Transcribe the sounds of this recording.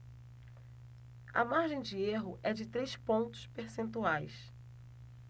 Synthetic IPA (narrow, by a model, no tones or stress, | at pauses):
ɐ̰maɾʒẽj̃d͡ʒɪeɦʊʔɛd͡ʒɪt̪ɾespõnt̪ʊ̥speɾsẽnt̪uajs